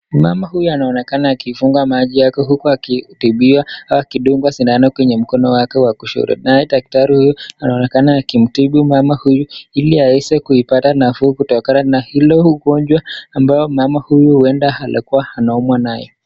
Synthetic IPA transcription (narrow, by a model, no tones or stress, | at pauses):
ma̰mahujuanaɔnɛkanaːkifuŋɡamaʄijakɛɦukuakitiɓiwaawakiɗuŋɡwasinaanakwɛɲɛm̩kɔnɔwakɛwakuʃṵɾɛ̰naɛɗak̚taɾihujuanaɔnɛkanaːkim̩tiɓimamahujuiliaɛsɛkuipatanafuːkutɔkananahilɔhuɡɔɲd͡ʒwaambajɔmamahujuhuwɛndahalʔakuwaanaɔmwanajɔ